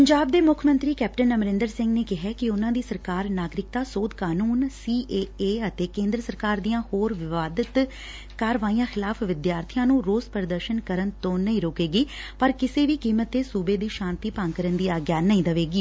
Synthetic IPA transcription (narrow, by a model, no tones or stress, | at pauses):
pəɲd͡ʒaːb̚d̪eːmʊkʰmə̃nt̪ɾiːkɛːp̚ʈənəmɾɪ̃nd̪əɾsɪ̃ŋɡneːkɪɦɛːkɪʊnãːd̪iːsəɾkaːɾnaːɡɾɪk̚t̪aːsoːd̪kaːnuːnsiːʔeːeːət̪eːkẽːnd̪ɾəsəɾkaːɾd̪ijãːhoːɾʋɪʋaːd̪ət̪ | kaːɾʋaːijãːxɪlaːfʰʋɪd̪jaːɾt̪ʰijãːnũːɾoːzpəɾd̪əɾʃənkəɾənt̪õːnəĩːɾoːkeːɡiːpəɾkɪseːʋiːkiːmət̪ːeːsuːbeːd̪iːʃãːnt̪iːpãŋɡkəɾənd̪iːaːɡjaːnəĩːd̪əʋeːɡiː